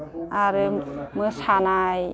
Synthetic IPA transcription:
aɾɯmɯsʰanaj

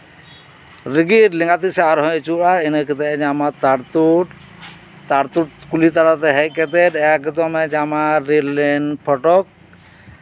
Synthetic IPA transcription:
ɾiɡiɾlĩŋɡat̪isɛaɾɦɔ̃jt͡ʃuɾainekɛt̪ɛɛ̃d͡ʒamat̪aɾt̪uʈ | t̪aɾt̪uʈ̚kulit̪aɽɔt̪ɛɦɛkɛt̪ɛd̪ɛakɛt̪̬ɔmɛd͡ʒamaɾilɛnpʰɔʈɔk̚

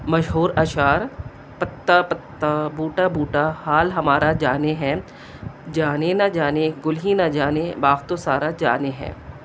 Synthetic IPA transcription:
mɐʃɦuːɾaʃaːɾ | pɐt̪ːapɐt̪ːabuːʈabuːʈahaːlɦɐmaːɾad͡ʒaːneɦɛ̃ː | d͡ʒaːnenad͡ʒaːneɡʊlɦinad͡ʒaːnebaːɡt̪osaːɾad͡ʒa̰ːneɦɛ̰̃ː

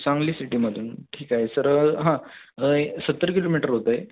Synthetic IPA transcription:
t͡saŋɡliːsiʈiːməd̪ʱuːnʈʰiːkaɦesəɾɦã | sət̪ːəɾəkiloːmiʈəɾɦot̪əj

